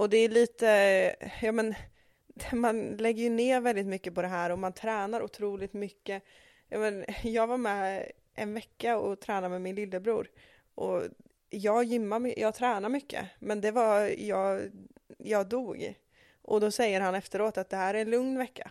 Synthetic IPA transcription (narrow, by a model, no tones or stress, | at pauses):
ɔd̪ɛːɭiːt̪əjɑːmɛn | manlɛɡːəjɵneːvɛld̪ɪt̪mʏkːəpɔd̪ɛɦæːɾɔmant̪ʰɾɛːnaɾʔʊ̰t̪ʰɾuːlɪt̪mʏkːə | jɑ̰ːmɛnjɑːɡvaɾmɛ | ʔɛ̰nvɛkːaɔt̪ʰɾæːnaɾmɛmɪnlɪlːəbɾṵːɾ | ʔɔ | jɑːɡjʏmːamjʔɑːɡt̪ʰɾɛːnaɾmʏkːə̰mɛnd̪ɛvajɑːɡ | jɑːɡd̪uːɡ | ʔɔd̪ɔsɛjːəɾhanɛft̪əɾoːt̪at̪̚d̪ɛhæːɾæɾɛnlɵŋnvɛkːa̰